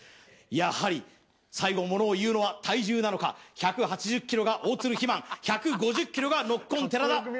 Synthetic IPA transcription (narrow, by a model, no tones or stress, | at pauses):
jahaɾʲi | saiɡo̞mo̞no̞ːjɯ̟ːno̞βat̪ʰaiʑɨːnano̞ka̰çakɯ̟ɦat͡ɕiʑɨkʲːiɾo̞ɡaʔo̞ːt͡sɨɾɯ̟çimãŋ̃çakɯ̟ɡo̞ʑɨkʲːiɾo̞ɡano̞kːõnt̪e̞ɾad̪a